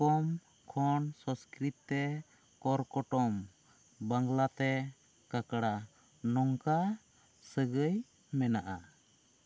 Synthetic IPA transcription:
kɔm | kʰɔnsɔ̃skɾit̪ːɛ | kɔɾkɔʈɔm | baŋlat̪ɛ | kakɽa | nɔŋka | səɡəj | mɛnaʔa

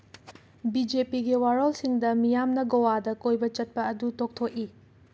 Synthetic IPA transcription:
bid͡ʒepiɡiwaɾolsiŋdɐmijamnɐɡowadɐkojbɐt͡ʃɐt̚pɐːdutok̚tʰok̚i

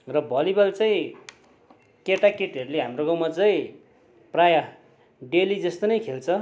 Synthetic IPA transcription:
rʌbʱʌlibʌlt͡sʌ̃ĩ | keʈakeʈʌɾuleɦamroɡãwmat͡sʌĩ | praja | ɖelid͡zʌst̪onʌjkʰelt͡sʰʌ

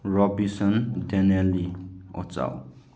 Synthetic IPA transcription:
rɔbisɔndenelio̰t͡sa̰w

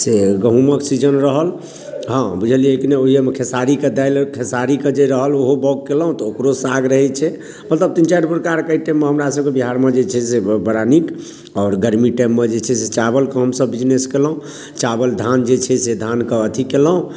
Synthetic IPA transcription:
seɡəɦũməksid͡ʒənɾəɦəl | ɦãbud͡ʒʱəliekneoɦiemekʰesaɾiked̪ajlkʰesaɾiked͡ʒeɾəɦəloɦobɔɡ̚keləɦũt̪ɔokɾosaɡɾəɦɛt͡ʃʰɛ | mət̪ləb̚t̪int͡ʃajɖpɾəkaɾkəiʈɛmːeɦəmɾasəb̚kebiɦaɾmed͡ʒet͡ʃʰɛsebəɾanik | ɔːɾɡəɾmiʈɛmːed͡ʒet͡ʃʰɛset͡ʃabəlkəɦəmsəbːid͡ʒneskelɦũ | t͡ʃabəld̪ʱand͡ʒet͡ʃʰɛsed̪ʱankəət̪ʰikeləɦũ

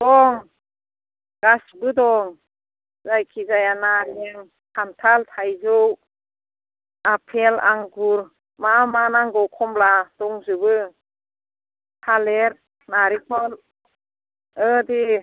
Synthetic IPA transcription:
d̥ɔŋ | ɡ̥asbɯdɔŋ | zajkʰizajanaɾɛŋ | kʰantʰalt̪ʰajzɯw | apʰɛla̰ŋɡuɾ | mamanaŋɡɔwkʰɔmlad̥̪ɔŋzɯbɯ | tʰalɛɾ | naɾipʰɔl | ɯdi

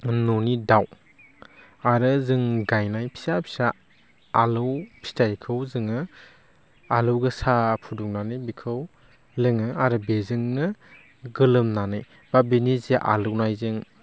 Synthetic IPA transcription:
nonidaw | aɾɯzɯŋɡajnajpʰi̥sapʰi̥saː | lɯwpʰi̥stʰajkʰɯwzɯŋɯ | alɯwɡɯsapʰuduknanɯjbikʰɯw | lɯŋɯaɾɯbezɯŋnɯ | ɡɯlɯmnanɯj | babenizeʔa̰lɯwnajzɯŋ

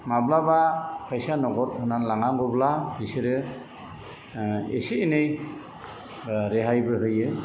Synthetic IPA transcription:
mablabapʰajsanɔɡɔt̚hunanlaŋaŋɡɔblabisiɾɯ | ḛsiinej | ɾɛɦajbɯɦɯjɯ

